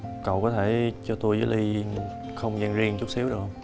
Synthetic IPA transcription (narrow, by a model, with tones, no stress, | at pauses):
kə̰˧˨wkɔ˨˦t̪ʰe˧˩t͡ɕɔ˧t̪u˧jzəː˨˦jli˧ | xə˧wŋ͡mzə˧ŋzi˧əŋt͡ɕʊ˦˥k͡p̚si˨˦əwɗɨ˨˩ək̚